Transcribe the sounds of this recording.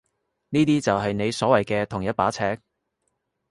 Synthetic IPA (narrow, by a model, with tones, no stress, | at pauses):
niː˥t̪iː˥t͡sɐ˨wɦɐ˨jne˨˧jsɔː˨˥wɐ˨jkɛː˧t̪ʰʊ˨˩ŋjɐ˥t̚paː˨˥t͡sʰɛː˧˥k̚